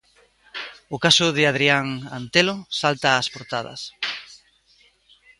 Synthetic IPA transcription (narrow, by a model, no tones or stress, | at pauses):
ʊkasʊðɪað̞ɾiaŋant̪elosalt̪aːspoɾt̪að̞ɐ̰s